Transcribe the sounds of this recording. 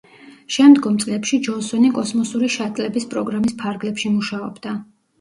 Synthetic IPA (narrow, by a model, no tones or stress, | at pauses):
ʃɛmd̪ɡɔmt̪sʼlɛpʃid͡ʒɔnsɔnikʼɔsmɔsuɾiʃat̪ʼlɛbispʼɾɔɡɾamispʰaɾɡlɛpʃimuʃaɔbd̪a